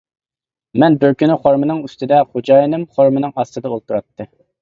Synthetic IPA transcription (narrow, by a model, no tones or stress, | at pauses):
mɛnbɪɾkʲynɪχoɾmɨnɨŋyst̪ɪd̪ɛχod͡ʒɑːjinɨmχoɾmɨnɨŋɑst̪ɨd̪ɑolˠt̪uɾɑt̪ʰːɨ